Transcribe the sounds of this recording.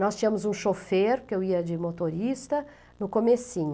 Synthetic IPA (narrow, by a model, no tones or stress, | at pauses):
nɔst͡ʃĩɲɐ̃mʊzũʃofeɾkɪewiɐd͡ʒɪmot̪oɾist̪ɐ | nʊkomesĩɲʊ